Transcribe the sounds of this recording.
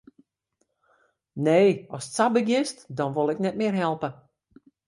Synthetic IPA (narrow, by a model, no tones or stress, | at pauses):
neːɔstsabəɡjɪstdɔnʋolˠɪknɛt̚mɪərɦɛlˠpə